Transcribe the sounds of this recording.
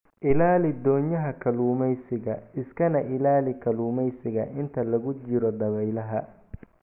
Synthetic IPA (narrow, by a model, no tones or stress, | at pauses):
ʔɪlaːlɪd̪ɔːɲjɐɦɐkʰɐluːmɛjsɪɣɐɪskʰɐnɐʔɪlaːlɪkʰɐluːmɛjsɪɣɐʔɪnt̪ʰɐlɐɣʊt͡ʃɪɾɔd̪ɐβɛjlɐɦɐ